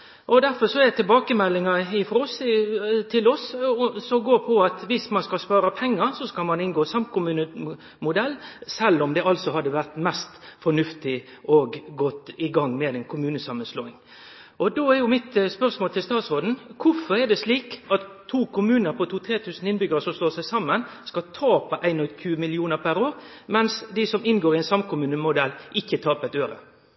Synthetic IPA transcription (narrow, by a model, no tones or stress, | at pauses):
ʔɔd̪æɾfɔsɔɛt̪ʰɪlbɑːkəmɛlːɪŋɑɪfɾost̪ʰɪlɔssɔɡoːɾpʰɔɑt̪ʋɪsmɑnskɑlspɑːɾɑpʰɛŋːəɾsɔskɑlmɑnɪnɡoːsɑmkʰʊmʉːnə | mʊd̪ɛlːsɛlːɔmd̪ɛɑlsɔhɑd̪ːəʋæɾt̪mɛst̪fɔɳʉft̪ɪɔɡɡɔt̪ɪɡɑŋːmɛd̪ɛnkʰʊmʉːnəsɑmːənsloːɪŋ | ʔɔd̪oːæɾjʊmɪt̪spœʁsmoːlt̪ʰɪlst̪ɑːt̪sʁoːd̪n̩kʰʊfɔɾɛd̪ɛsliːkɑt̪ʰːuːkʰʊmʉːnəɾpʰɔt̪ʰuːt̪ʰɾeːt̪ʰʉːsn̩ɪnbʏɡəʁəsɔmst̪oːsæɪsɑmːənskɑt̪ʰɑːpɑʔæɪnɔçʉːəmɪlɪuːnəɾpʰæɾoːɾmɛnsd̪ɪsɔmɪnɡoːɾɪɛɪnsɑmkʊmʉːnəmʊd̪ɛlːʔɪçːət̪ʰɑːpət̪øːɾə̰